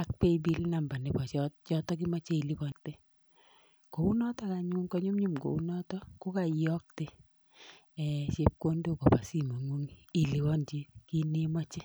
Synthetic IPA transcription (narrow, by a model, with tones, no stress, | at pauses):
a˨k̚pe˦i˨bi˦lna˨mba˨nɪ˨pɔ˨t͡ʃt͡ʃɔ˦tɔ˦k̬i˦ma˦t͡ʃe˦i˨li˦bɔ˦nte˦ | ko˨wu˦nɔ˦tɔ˦ka˨ɲu˦ŋkɔ˦ɲu˦mɲu˦mɡo̰˨u˦nɔ˦tɔ˦ko˦ka˨jɔ˦k̚te˦˨ | t͡ʃe˦p̚ko˦ndo˦˨kɔ˨pa˨si˦mo˨ŋu˦ŋ˨i˨li˨wɔ˦nd͡ʒi˦ki˦ne˦ma˦t͡ʃɪ˦